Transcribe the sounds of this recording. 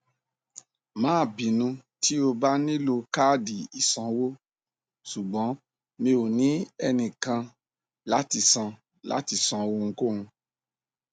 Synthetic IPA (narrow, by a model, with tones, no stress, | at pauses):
mãː˨˦˨bi˨nũ˧ti˦o˧ba˦nĩ˦lo˧ka˦˨di˨i˨sɔ̃˨˧wo˦ | su˨ɡ͡bɔ̃˨˦ | mĩ˧o˨nĩ˨˦ɛ˧nĩ˨kã˧ | la˦ti˦˧˨sã˧ | la̰˨˦ti˨sɔ̃˧wo˧ŋ̩˧ko˦˨ŋũ˧